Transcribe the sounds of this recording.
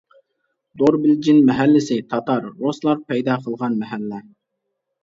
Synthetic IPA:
d̪oɾbɪld͡ʒinmɛɦælːɪsɪt̪ʰɑt̪ɑɾːoslˠɑɾpʰɛjd̪ɑqʰəlˠʁɑnmɛɦælːɛ

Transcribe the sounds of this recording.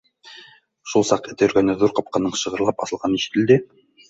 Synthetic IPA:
ʃulˠsɑqɘ̆t̪ɘ̆jɵ̆ɾɡænɘðuɾqɑp̚qɑnɤɴʃɤ̆ʁɤ̆ɾlˠɑpɑ̰sɤ̆lˠʁɑniʃɘ̆t̪ɘ̆ld̪ɘ

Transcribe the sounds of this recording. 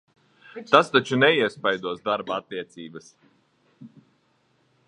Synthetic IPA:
t̪ast̪at͡ʃunɛiɛspajd̪uɔsd̪aɾbaat̪ːiɛt̪sʲiːbɐs

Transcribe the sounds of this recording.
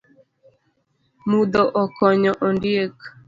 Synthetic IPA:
mud̪ɔʔɔkɔɲɔʔɔndjek

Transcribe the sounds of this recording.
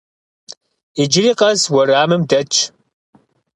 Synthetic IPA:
id͡ʒɪɾiːqʼɐzwɐraːmɨmdɐt͡ʃʼʰ

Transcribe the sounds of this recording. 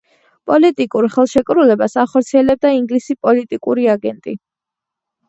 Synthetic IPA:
pʼɔlit̪ʼikʼuɾχɛlˠʃɛkʼɾulɛbasaχɔɾt̪sʰiɛlɛb̚d̪aiŋɡlisipʼɔlit̪ʼikʼuɾiaɡɛnt̪ʼḭ

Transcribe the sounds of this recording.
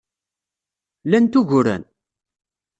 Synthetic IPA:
lænt̪uʝʊɾæ̰n

